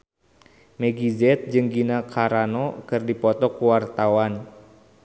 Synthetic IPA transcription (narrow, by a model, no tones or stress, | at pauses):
mɛɡizɛt̪̚d͡ʒɨŋɡinakʰaɾanɔkɨrdipɔt̪ɔkuwart̪awan